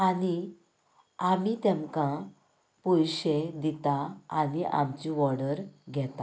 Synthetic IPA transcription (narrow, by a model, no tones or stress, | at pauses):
ani | amit̪ɛ̃mkã | pujɕed̪it̪aaniʔa̰mt͡ɕĩʋɔɽəɾɡʱɛt̪a